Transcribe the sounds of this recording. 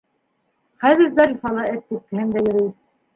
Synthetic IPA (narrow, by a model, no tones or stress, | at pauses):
χæðɘ̆ɾzɑɾifɑlˠɤæt̪ːip̚kɘ̆ɦɘnd̪æjɘ̆ɾi